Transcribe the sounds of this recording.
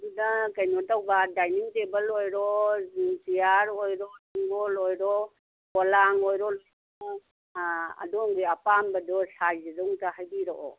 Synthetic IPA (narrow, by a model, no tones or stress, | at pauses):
udakajnɔtawbadajniŋtebəlojɾɔ | tijaɾojɾɔsiŋɡolojɾɔ | bolaŋojɾɔ | a̰dɔŋɡiapambadɔɬajzidɔŋtahajdiɾɔʔɔ